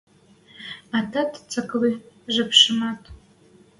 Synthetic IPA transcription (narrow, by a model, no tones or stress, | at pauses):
atʰatʰt͡sʰʼakʼliʒɨpʰʂɨmatʼ